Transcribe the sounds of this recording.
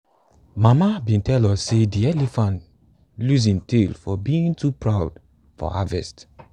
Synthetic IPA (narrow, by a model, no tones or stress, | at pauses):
mamabĩntʰɛlɔsːediɛlifãnt | luzĩntelfɔbiĩŋtupɹaʊd | fɔ̰ha̰vɛ̰st